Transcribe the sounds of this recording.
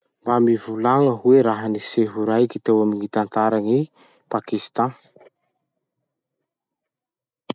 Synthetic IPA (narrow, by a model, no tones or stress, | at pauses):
mbamivulaŋəɦuweɾaɦəniseɦuɾajkit̪ewaminit̪ant̪aɾani | pakist̪ã